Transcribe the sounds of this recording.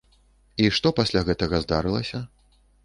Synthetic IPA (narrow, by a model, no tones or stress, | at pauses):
iʂt̪ɔpɐsʲlʲaɣɛt̪ɐɣɐzd̪aɾɨlˠɐsʲɐ